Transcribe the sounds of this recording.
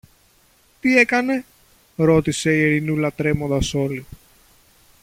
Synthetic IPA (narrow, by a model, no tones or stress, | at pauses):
t̪ie̞kɐne̞ | ɾo̞t̪ise̞ieɾinulɐt̪ɾe̞mo̞nd̪ɐso̞li